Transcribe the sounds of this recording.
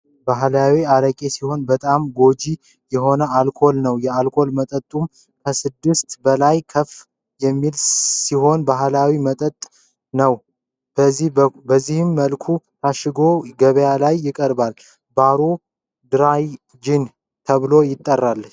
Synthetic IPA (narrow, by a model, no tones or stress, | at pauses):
baɦlawiaɾəkʼesiho̞nbət̪ʼamɡo̞d͡ʒi | jɛɦo̞nəalkʰo̞lnəwjɛalkʰo̞lmət̪ʼət̪ʼːum | kʰəsɨd̪ːɨst̪bəlajkʰəf | jɛmːilsiɦo̞nbaɦlawimət̪ʼət̪ʼː | nəw | bəzːihɨmːəlkʰut̪ʰaʃɪɡo̞ɡəβəjalajːɪkʼəɾbal | baɾo | d̪ɨɾaj | d͡ʒin | t̪ʰəβɨlo̞jɪt̪ʼːərːalːə